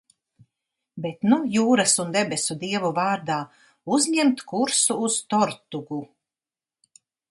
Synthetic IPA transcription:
bet̪nujuːɾasund̪ɛbesʲud̪iɛvuvaːɾd̪aː | uzɲɛmt̪kuɾsuːz̥t̪ɔɾt̪uɡu

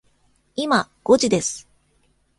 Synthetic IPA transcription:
imaɡ̥o̞d͡ʑid̪e̞sɨ̥

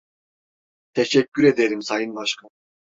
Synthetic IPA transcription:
t̪ʰeʃɛcʲʰːyɾe̞d̪eɾimsajɯnbaʃkʰa

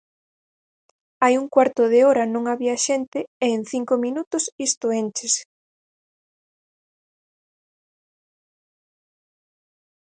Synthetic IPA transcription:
ajuŋkwaɾt̪ʊð̞eoɾɐnõŋaβiɐʃent̪ɪeːn̟θiŋkomĩnut̪ʊsist̪ʊent͡ʃes

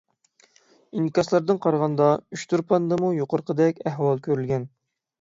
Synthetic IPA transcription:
inikɑslˠɑɾd̪ɨnqʰɑɾʁɑnd̪ɑyʃt̪ʰuɾpʰɑnd̪ɨmujoqʰəɾqʰəd̪ɛkʲæɦwɑlˠkʲʰøɾylʲɡʲɛn

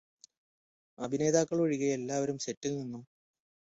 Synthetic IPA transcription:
ɐbʱine̞ːd̪aːkːɐɭoɻiɣɐelːaːʋɐɾumɕe̞tːinːinːum

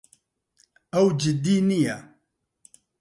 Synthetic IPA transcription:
ɐwd͡ʒɪd̪iːnijɛ

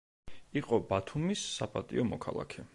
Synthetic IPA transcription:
iqʼɔbat̪ʰumisːapʼat̪ʼḭɔmɔkʰalˠa̰kʰɛ

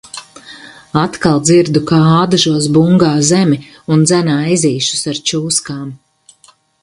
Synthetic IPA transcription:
at̪kalˠd̪ziɾd̪ukaaːd̪aʒuɔsbuŋɡaːzemi | und̪zænaːiziːʃu̥saɾt͡ʃuːskaːm

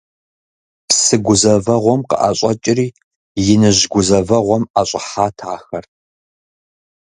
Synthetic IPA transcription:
psɨɡʷʊzɐvɐʁʷɔmqə̰ʔaɕʼɐt͡ʃʼɪriː | jɪnɨʑɡʷʊzɐvɐʁʷɔmaɕʼɪħaːtʰaːxɐrʰ

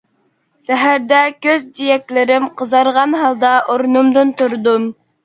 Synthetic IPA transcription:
sɛɦæɾd̪ɛkʲøzd͡ʒ̪ijɛk̪̚ʲlɪɾɪmqʰəzɑɾʁɑnɦɑlˠd̪ɑʔoɾnumd̪ɨnt̪uɾd̪um

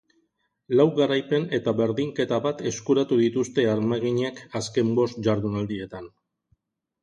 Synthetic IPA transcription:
lawɣaɾajpe̞ne̞t̪aβe̞ɾðiŋke̞t̪aβat̪e̞skuɾat̪uðit̪ust̪e̞aɾmaɣiɲekaske̞mbo̞st̪̚ʝaɾðunald̪ie̞t̪an

